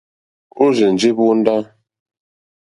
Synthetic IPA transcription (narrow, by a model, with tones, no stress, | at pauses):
u˦ze˨n̩˨d͡ʒi˦bu˦n̩˦da˦